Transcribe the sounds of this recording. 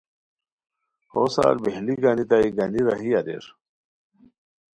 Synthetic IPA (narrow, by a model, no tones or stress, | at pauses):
hosa̰ːɾbeɦliɡanit̪aiɡɐniɾɐɦiɐdḛɾ